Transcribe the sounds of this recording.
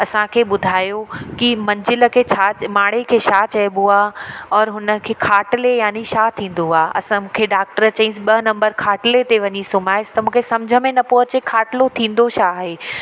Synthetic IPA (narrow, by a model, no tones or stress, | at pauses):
ɐsãkʰeːɓʊd̪ʱaːjokimɐ̃ɲd͡ʑɪlə̆kʰeːt͡ɕʰamaːɽekʰeːʃat͡ɕɐɪɓoaːɔːɾɦʊnəkʰeːkʰaːʈlejaːniʃat̪ʰĩːn̆d̪oaːɐ̰sãmũːkʰeɖaːk̚ʈəɾt͡ɕɐ̃ĩsɓɐnɐ̃mbəɾkʰaːʈɪlet̪eʋɐɲisʊmaːɪst̪ɐmũːkʰesɐ̃md͡ʑʱəmẽnɐpɔɦɪt͡ɕekʰaːʈɪlot̪ʰĩːn̆d̪oʃaɦeː